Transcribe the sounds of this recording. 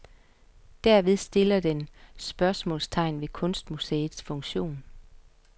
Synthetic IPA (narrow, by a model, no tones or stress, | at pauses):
d̥æɐʋe̝ð̞ˠsd̥e̝lɐd̥ensb̥ɶɐsmɔ̰̽ːlst͡sʰɑ̈ɪnʋe̝kʰɔ̽nsd̥museːð̩ˠsfɔ̽ŋɕo̝̰ːn